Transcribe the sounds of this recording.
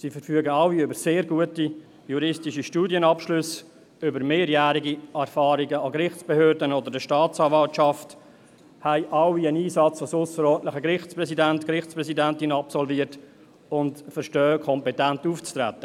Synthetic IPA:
sifəɾfyəɡəɑwiʏbəɾseːɾɡuəti | juɾɪstiʃiʃtuːdjənɑpʃlʏs | ʏbəɾmeːɾjæːɾiɡiɛɾfɑːɾiɡəɑɡɾɪχt͡sb̥ehøːɾdənod̪ədəʃtɑːt͡sɑːvɑltʃɑft | hæɪʔɑwiəniːsɑt͡sʋosʊsəɾɔːntləχəɡɾɪχt͡spɾɛsidæntkɾɪχspɾɛsidæntɪnɑpsɔlviːəɾt | ʊntfəɾʃtœːəkʰɔmpɛtæntuːft͡stɾæ̰tːə

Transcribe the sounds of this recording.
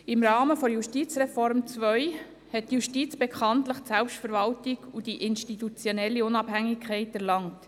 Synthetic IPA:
ɪmɾɑːməfoɾjuʃtit͡srɛfɔɾmt͡sʋœʏ | hɛt̚ːjuʃtiːt͡sb̥ɛkʰɑntləχtsɛlpʃtfəɾvɑltɪɡudiʔɪnʃtitut͡sjonɛlːiʊnɑb̥hæŋːɪkʰχɛɪtæɾlɑŋt

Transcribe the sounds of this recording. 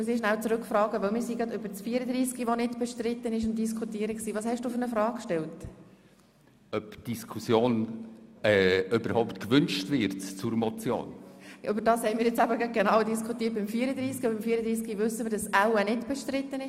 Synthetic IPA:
musiʃnæʊt͡sɾʉkfɾɑːɡəʋɪlmɪːɾsiɡɾɑdʏbəɾt͡sfiːəɾəd̪riːskiʋɔnɪdb̥ɛʃtrɪtːənɪʃ̬ʊnt̚d̥is̬kʰutiːəɾəksiːvɑːshɛʃd̥uːfʏɾnəfɾɑːkkʃtɛlt | œpd̥iskʰusjoːn | ɛøbəɾhɔʊptkvʏnt͡ʃtvɪɾtt͡suɾmɔt͡sjo̰ːnʔøbəɾdɑːshɛɪmɪːɾjɛt͡sæbəɡɑɡ̥enɑːwdiskʰutiːət̚b̥ɪmfiːɾəd̪ɾiːskiobɪmfiːəɾəd̪ɾiːskiʋʏsːəmɪːɾdɑsæwənɪdb̥ɛʃtɾɪtːənɪ

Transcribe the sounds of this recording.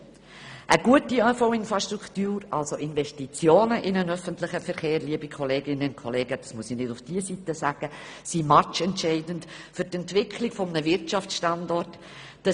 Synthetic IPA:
ʔəɡuətiœfoʊɪnfɾɑʃtɾukʰtyːɾɑlsoʔɪnvɛstit͡sjoːnəʔɪnənœfəntlɪχəfɛɾχeːɾliəbikʰɔleːɡɪnənkʰɔleːɡəd̥ɑsmuəsinɪdʊfd̥iːəsitəsæɡ̥əsimɑt͡ʃɛntʃɛɪdənt | fʏɾtɛntvɪkʰlɪɡ̥fɔmnəvɪɾtʃɑft͡sʃtɑndɔrt | d̥ɑ

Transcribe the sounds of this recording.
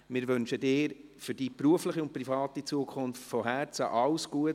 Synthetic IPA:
mɪɾʋʏnʃədɪːɾfʏɾd̥ipruəflɪχiʊnt̚prifɑːt̪it͡suəkʰχʊnftfɔɦæɾt͡səʔɑwsɡ̥uət

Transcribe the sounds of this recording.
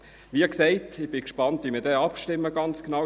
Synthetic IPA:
ʋiːəksɛɪtɪχb̥ɪkʃpɑntʋimidɛːɑpʃtɪmːəɡɑnt͡sknɑ

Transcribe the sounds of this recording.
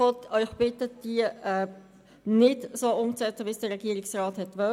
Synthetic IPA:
ɔtœʏχb̥ɪtəd̥iəɛː | nɪdsoːʊmt͡sɛt͡səʋisd̥ərʁɛɡ̥iəɾɪksrɑːthɛtʋœ

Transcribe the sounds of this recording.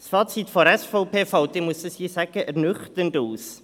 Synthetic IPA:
sfɑːt͡sitfɔɾɛsfɔʊpʰeːfɑwt̪emuəsdəsjiːsæɡ̥əʔɛɾnʏχt̪ənduːs

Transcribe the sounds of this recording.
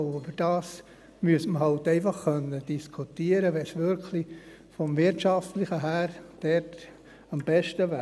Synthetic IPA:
yb̥əɾd̥ɑːs | myəsməɦɑltɛɪfɑχkœnːəd̥iskʰutiəɾəʋɛsʋʏɾkʰli | fɔmvɪɾtʃɑftlɪχəɦæːɾd̥ɛɾt | ɑmb̥ɛʃtəʋæ

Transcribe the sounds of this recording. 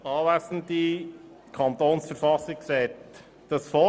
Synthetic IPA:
ɑːvæsn̩t̪i | kʰɑnt̪oːnsfəɾfɑsɪkksɛt͡s | d̥ɑsfɔ

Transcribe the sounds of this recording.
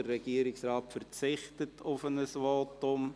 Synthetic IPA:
ərɛɡ̥iəɾɪksrɑːtfərt͡sɪχtətʰʊfənəsʋoːtʊm

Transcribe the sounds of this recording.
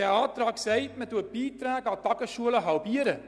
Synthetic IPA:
ɛːɑːtɾɑːksɛɪtmətuət̚b̥iːtɾæːɡəɑtɑɡəʃuələɦɑlbiəɾə

